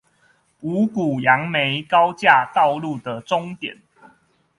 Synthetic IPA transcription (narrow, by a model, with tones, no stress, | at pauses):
u˨˦ku˨˩ja˨˦ŋme˨˦ɪkɑ˦ʊt͡ɕja˥˧t̪ɑ˥˧ʊlu˥˨d̪ə˨˩ʈ͡ʂo˦ŋt̪jɛ̰˨˩˦n